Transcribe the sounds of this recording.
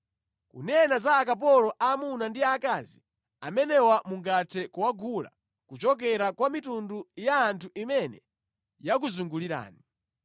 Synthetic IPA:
kṵnɛnazaːk̬ap̬ɔlɔʔamunandiakazi | amɛnɛwamuŋɡatʰɛkuwaɡula̰ | kut͡ʃɔk̬ɛɾakwamitundujaːntʰuʔimɛnɛ | jak̬uzuŋɡuliɾa̰ːni

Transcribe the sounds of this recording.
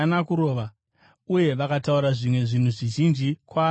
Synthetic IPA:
nakuɾo̞ːʋa | uje̞ʋakatauɾaʐimwe̞ʐin̤uʐiʒind͡ʒikwaː

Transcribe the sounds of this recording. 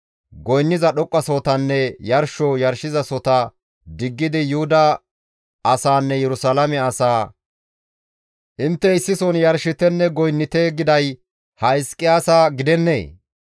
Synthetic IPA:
ɡɔjnːɪzɐɗɔkʼːɐsɔt̪ɐnːɛjɐɾʃɔjɐɾʃɪzɐsɔt̪ɐ | d̪ɪɡːɪd̪ɪjʊhʊd̪ɐː | saːnːɛjɛɾʊsalɐmɛɐsaː | ʔɪnt̪ːɛɪsːɪsɔnjɐɾʃɪt̪ɛnːɛɡɔjnːɪt̪eːɡɪd̪ɐj | hɐɪskʼːɪaːsaɡɪd̪ɛnːḛː

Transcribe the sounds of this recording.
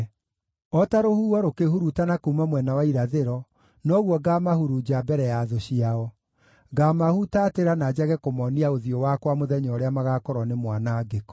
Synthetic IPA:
ɔtaɾohuɔɾokehuɾutanakumamwɛnawaiɾaðeɾɔ | nɔɣwɔɡamahuɾud͡ʑabɛɾɛjaðoɕiaɔ | ɡamahutateɾanad͡ʑaɣɛkomɔniaoðjɔwakwamoðɛɲɔɾeamaɣakɔɾɔnemwanaːɡek

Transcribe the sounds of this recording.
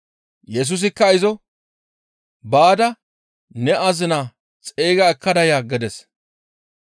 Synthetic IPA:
jɛs̬ʊs̬ɪkːɐɪzɔ | baːd̪ɐ | nɛʔɐzɪna | t͡sʼe̞ːɡɐɛkːɐd̪ɐjaːɡɛd̪ɛs

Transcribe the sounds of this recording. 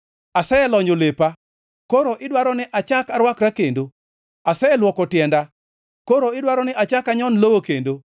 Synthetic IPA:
asɛɛlɔɲd͡ʒolepa | koɾoʔɪdwaɾɔnɪʔat͡ʃakaɾwakɾakendo | asɛɛlwɔkɔtjɛnda | koɾoɪdwaɾɔnɪʔat͡ʃakaɲɔnlowokendo

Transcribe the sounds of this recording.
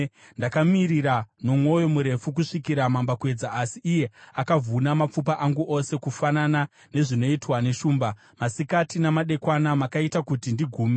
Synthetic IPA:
ndakamiɾiɾano̞mwo̞jo̞muɾe̞fuk̬uʂikiɾamambakwe̞d͡zaːsiʔːje̞akavunamap͡fup̬aʔaŋɡuʔose̞kufanana | ne̞ʐino̞itwane̞ʃuːmba | masikatinamaɗe̞kwanamakaitakutindiɡʱuːme

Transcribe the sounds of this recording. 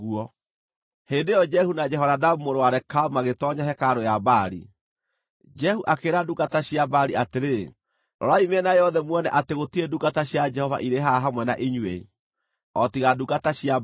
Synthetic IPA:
ɣuɔ | hendejɔd͡ʒɛhunad͡ʒɛɦɔɾadamumoɾoaɾɛkamaɣetɔɲaɦɛkaɾojabaɾḭ | d͡ʒɛhuʔakeɾadukataɕiabaɾiateɾe | ɾʔɔ̰ɾaimeɛnajɔðɛmwɔnɛʔateɣotieduɡataɕjad͡ʒɛhɔva̰ʔiɾeɦaɦamwɛnaʔiɲwḛ | ɔtiɣaduɡataɕja

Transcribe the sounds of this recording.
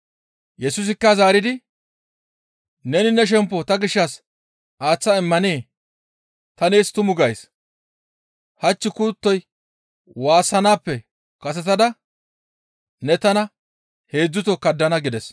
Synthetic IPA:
jɛsʊs̬ɪkːɐzaːɾɪd̪ɪ | nɛnɪnɛʃ̬ɛmpːɔt̪ɐɡɪʃːɐs | ʔaːt͡sːɐɪmːɐneː | t̪ɐneːst̪ʊmʊɡɐjs | hɐt͡ʃːɪkʊt̪ːɔj | waːsɐnaːpːɛ | kɐsɛt̪ɐd̪ɐ | nɛt̪ɐnɐ | he̞ːd͡zːʊt̪ɔkɐd̪ːɐnɐɡɪd̪ɛs

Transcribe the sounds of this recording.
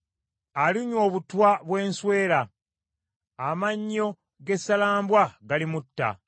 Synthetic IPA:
aliɲwo̞ːβutwaβwe̞ːnswe̞ːla | amaɲːo̞ | ɡe̞salaːmbwaɡalimutːa̰

